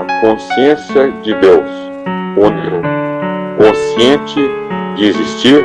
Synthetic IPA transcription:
ɐkõsiẽsijɐd͡ʒɪd̪ews | õneɾʊkõsiẽt͡ʃɪd͡ʒɪezist͡ʃiɾ

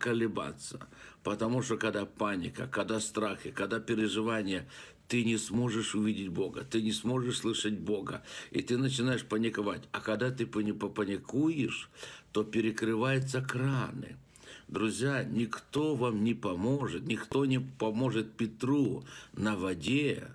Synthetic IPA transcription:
kəlʲɪba̰t̪sːəpət̪ɐmuʂt̪okɐd̪apanʲɪkə̰kɐd̪ast̪ɾaxɪkɐd̪apʲɪɾʲɪʐɨvanʲɪjə | t̪ɨnʲɪsmo̞ʐɨʂʊvʲidʲɪtʲbo̞ɡə̰t̪ɨnʲɪsmo̞ʐɨʂslˠɨʂəd̚ʲbo̞ɡə̰ḭt̪ɨnət͡ɕɪnajɪʂpənʲɪkɐvatʲɐkɐɡd̪at̪ɨpənʲɪpəpənʲɪkujɪʂt̪o̞pʲɪɾʲɪkɾɨvajʊt̪səkɾanɨ̰ | d̪ɾʊzʲjanʲɪkt̪o̞vamnʲɪpɐmo̞ʐɨt̪nʲɪkt̪o̞nʲɪpɐmo̞ʐɨt̪̚pʲɪt̪ɾunɐvɐdʲe

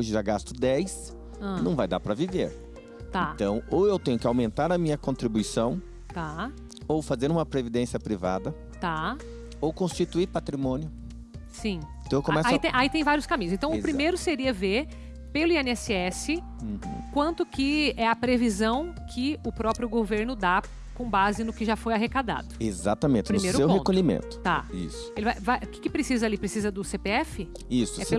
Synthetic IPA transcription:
oʒɪʒaɡast̪ʊd̪ɛjs | ɐ̃nɐ̃w̃vajd̪a̰ɾpɾɐvivḛɾ | t̪ãɐ̃w̃owewt̪ẽɲʊkɪawmẽnt̪aɾɐmĩɲɐkõnt̪ɾibuisɐ̃w̃ | t̪a | owfazeɾũmɐpɾevid̪ẽsiɐpɾiva̰d̪ɐ | t̪a | owkõst͡ʃit̪uiɾpat̪ɾimõnjʊ | sĩt̪ɐ̃w̃ekõmɛsait̪ẽʔait̪ẽj̃vaɾijʊskamĩɲ̃ʊzẽt̪ɐ̃w̃ʊpɾimejɾʊseɾiɐveɾ | pelʊiẽnɛsɪɛsɪ̃ | kwɐ̃nt̪ʊkɪɛɐpɾevizɐ̃w̃kʰɪʊpɾɔpɾjʊɡoveɾnʊd̪a | kõbazɪnʊkɪʒafojaɦekad̪a̰d̪ʊeza̰t̪ɐmẽt͡ʃɪpɾʊmejɾʊsewpohẽkoʎimḛ̃nt̪ʊ̥t̪aḭsʊ̥elɪvajvajʔʊkɪ̥kɪpɾesizɐalipɾesizɐd̪ʊsepeɛfɪ | isʊɛpel

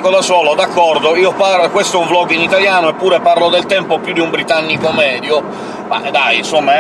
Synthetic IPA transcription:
kod̪asɔːlod̪akːɔɾd̪oiːopaɾkwest̪oɛuɱvlɔːɡinit̪aljaːnoɛpːuːɾɛpaɾlod̪ɛlt̪ɛmpopjud̪iumbɾit̪anːikomɛːd̪jo | ma̰d̪ajinsomːa

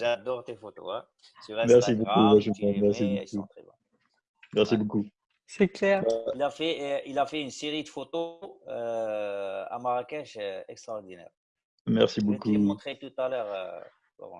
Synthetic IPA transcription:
ʒad̪ɔʁt̪efot̪o̰ɛ̰ | syʁɛmɛʁssibokuvaʃɛɛmɛʁsibokũχḛbã̰ | mɛʁsiboku | sɛklɛʁilafɛilafɛynseʁid̪əfot̪oø | a̰maʁakaʃɛkst̪χaɔʁd̪inɛ̰ʁ | mɛʁsibokuɔ̃t̪χet̪ut̪alœʁø̰ | lɔ̰vɔ̰̃

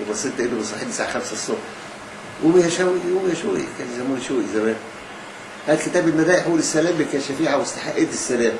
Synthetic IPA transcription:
webɑsˤːelt̪ʔed̪obesˤɑħed̪isaːʕaxæmsæsˤːobħ | ʔomihæʃæwiomihæʃoʔḭkæːnzæmuːniʃoːʔizæmæːn | hæːd̪ket̪æːbelmæd̪æːʔeħulesːælæːmlːikæːnʃæfiːʕawest̪ḁħaʔeːt̪esːælæːm

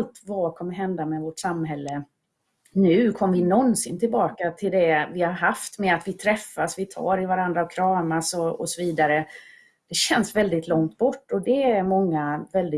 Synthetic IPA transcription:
lt̪vakʰɔmːəɾɦɛnd̪amɛvɔʈsamːɦɛlːə | nʉ̟ːkʰɔmːəvɪnɔnsɪnt̪ʰɪlbɑːkat̪ʰɪld̪ɛvɪhaɾɦaft̪mɛat̪vɪt̪ʰɾɛfːasvɪt̪ʰɑ̰ːɾɪvaɾand̪ɾaɔkʰɾɑːmasɔɔsɔviːd̪aɾə | d̪̥ɛɕɛnsvɛld̪ɪt̪lɔŋt̪̚bɔʈːɔd̪ɛæɾmɔŋːavɛld̪ɪ

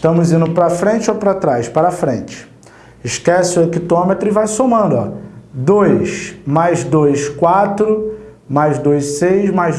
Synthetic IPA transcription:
ɪʃt̪ɐ̃mʊzĩnd̪ʊpɾɐfɾẽt͡ʃɪowpɾat̪ɾajspaɾɐfɾẽnt͡ʃɪ̥ | ɪʃkɛsɪʊekit̪õmet̪ɾʊɪvajsomɐ̃nd̪ʊɔ̰d̪ojsmajzd̪ojskwat̪ɾʊmajzd̪ojssejzmajz

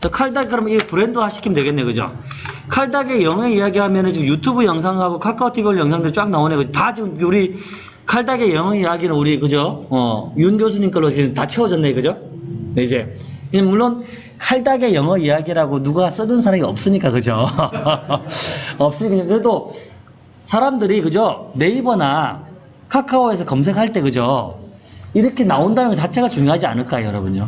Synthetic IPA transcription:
t͡ɕʌkʰaɭdaɡkɯɾʌmiɡepɯɾendɯhaɕʰi̥kʰimdwe̞ɡe̞nːekɯd͡ʑo̰ | kʰaɭdaɡe̞jʌŋeijaɡiɦamjʌnɯnt͡ɕiɡɯmjutʰubɯjʌŋs̬ʰaŋɦaɡokʰaɭk͈ʰautʰibɭjʌŋsʰaŋdɯɾit͡ɕ͈ak̚naonekɯd͡ʑotat͡ɕiɡɯmuɾi | kʰaɭdaɡe̞jʌŋɦʌijaɡinɯnuɾikɯd͡ʑoʌjunɡjos̬ʰuɲink͈ɯɭːot͡ɕiɡɯmtat͡ɕʰewʌd͡ʑʌnːekɯd͡ʑo | id͡ʑe̞ | kɯamuɭːon | kʰaɭdaɡe̞jʌŋɦʌijaɡiɾaɡonuɡas͈ɯnɯnsʰaɾamiʌp̚s͈ɯɲik͈akɯd͡ʑo | ʌp̚s͈ɯɲikːɯɲokɯɾe̞do | sʰaɾamdɯɾikɯd͡ʑone̞ibʌna | kʰakʰaoe̞s̬ʰʌkʌmsʰe̞kʰaɭt͈e̞kɯd͡ʑo | iɾʌkʰe̞naondanɯnɡʌt͡ɕat͡ɕʰe̞ɡat͡ɕuŋjoɦad͡ʑia̰nɯɭk͈ajojʌɾʌbuɲo

